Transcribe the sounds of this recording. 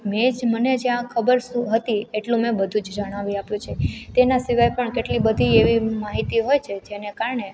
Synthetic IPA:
med͡ʒməned͡ʒeãkʰəbəɾsũɦət̪ieʈlũmẽbəd̪ʱũd͡ʒd͡ʒəɽ̃aʋiapjũt͡ʃʰet̪enasiʋajpəɳkeʈlibəd̪ʱieʋimaɦit̪iɦojt͡ʃʰed͡ʒenekaɾɳe

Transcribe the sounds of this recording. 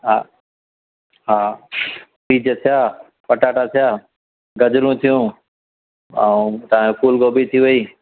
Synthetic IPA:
ɦa | ɦaː | biːd͡ʒət̪ʰɪjaː | pəʈaːʈat̪ʰjaː | ɡəd͡ʒɾũːt̪ʰijũː | əũt̪əʋãkuːlɡoːbiːt̪ʰiːʋəiː

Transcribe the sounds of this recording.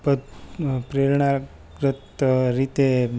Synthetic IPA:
pəd̪pɾeɾɳa | ɡɾət̪ɾit̪e

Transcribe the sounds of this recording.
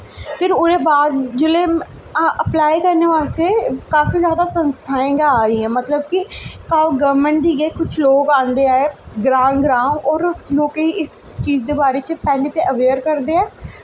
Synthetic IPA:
pʰɪɾʊɾeːbaːd̪d͡ʒʊleː | ʔəplaːikəɾneːʋaːst̪eːkaːfiːzjaːd̪aːsə̃nst̪ʰaːẽːɡaaːɾəiɛ̃ːmət̪ləb̚kikaːoɡəɾməɳʈd̪iːɡekʊt͡ʃʰloːɡãːnd̪eːaːeɡɾãːnɡɾãːnɔːɾloːkeiɪs | t͡ʃiːzd̪eːbaːɾeːt͡ʃpɛːleːt̪eʔəʋeːɾkəɾd̪eːɛ̃ː

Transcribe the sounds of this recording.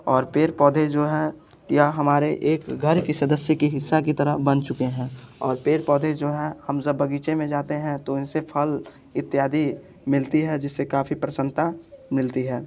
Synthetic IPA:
ɔːɾpeːɾpɔːd̪ʱed͡ʒoːɦɛ | jaɦɐmaːɾeʔeːkɡʱɐɾkisɐd̪əsjəkiɦɪsːakit̪ɐɾəɦbɐnt͡ʃʊkeɦɛ̃ːɔːɾpeːɾpɔːd̪ʱed͡ʒoːɦɛhɐmd͡ʒɐbːɐɡiːt͡ʃemẽd͡ʒaːt̪eɦɛ̃t̪oɪnsepʰəl | ɪt̪ːjaːd̪ʱi | mɪlt̪iɦɛd͡ʒɪsːekaːfipɾəsə̃nt̪amɪlt̪iɦɛː

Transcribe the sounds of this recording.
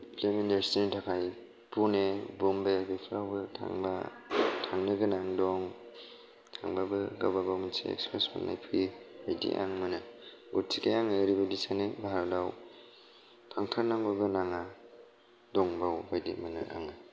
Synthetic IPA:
pleminaɾstintʰakʰaj | punebɔmbebepʰɾawbɯtʰa̰ŋba̰tʰaŋnɯɡɯnaŋdɔŋ | tʰaŋbabɯɡababawminsḛḛkspɾesma̰nna̰jpʰɾibajdḭʔa̰ŋmɯnɯ | ɡut̚tʰikajaŋaɾibadisanebaɦɾwdaw | tʰaŋtʰaɾnaŋbɯɡɯnaŋa | dɔŋbawbajdḭmɯnɯ̰ʔa̰ŋa

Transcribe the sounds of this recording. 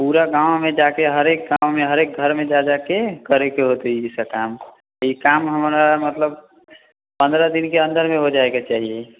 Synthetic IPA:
puːɾaɡãːwmẽd͡ʒakeɦəɾek̚ɡawmẽɦəɾeːk̚ɡʱəɾmẽd͡ʒad͡ʒakekəɾekeɦot̪iisakam | ikamɦəmɾamət̪ləb̚ | pə̃nd̪ɾəd̪inkeə̃nd̪əɾmẽɦod͡ʒaeket͡ʃaːɦie

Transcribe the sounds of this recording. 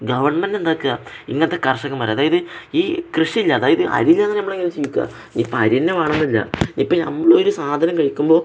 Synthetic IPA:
ɡɐʋɐrɳmendend̪aːkːɨa | ḭŋːɐnɐt̪ːekɐrʂɐɣɐmɐɾeːɐðaːjɐðɨiːkrɨʂɐilːɐːðaːjɐðɨʔɐ̰ɾilːɐenːnɐmːɐɭeŋɡilumt͡ɕejːukʲːua̰ | ɲipːoɐɾienːemaːɳenːilːɐ̰ipːonɐmːɐɭoɾusaːd̪ʱɐnɐmkɐɻikʲːumbo̞ː

